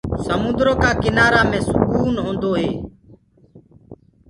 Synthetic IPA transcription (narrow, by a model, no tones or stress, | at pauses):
səmʊ̃nd̪ɾoːkaːkɪnaːɾaːmẽːsʊkuːnɦõːnd̪oːɦeː